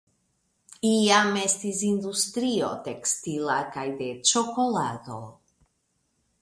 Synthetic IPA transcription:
iame̞stis̬industɾio̞̰te̞kstilakajde̞t͡ʃo̞ko̞lado̞̰

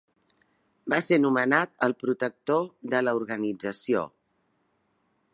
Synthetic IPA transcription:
basenumənat̪əlˠpɾut̪ək̚t̪oðələuɾɣənid͡zəsio̰

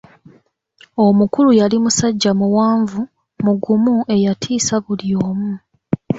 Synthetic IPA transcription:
omukulujalimusaɟːamuwaːɱvu | muɡumue̞jatʰiːsaβulioːmu

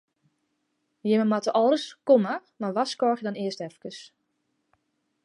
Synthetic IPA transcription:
jɪməmatəʔɔlˠdəskoməmaʋaskɔːxjədɔnɪəstɛfkəs

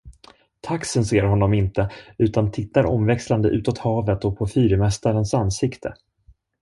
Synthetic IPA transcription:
t̪ʰaksənseːɾɦɔnːɔmɪnt̪əʉ̟ːt̪ant̪ʰɪt̪ːaɾʔɔmvɛksland̪əʔʉ̟ːt̪ɔt̪hɑːvət̪ɔpʰɔfyːɾəmɛst̪aɾənsanːsɪkt̪ʰə̰

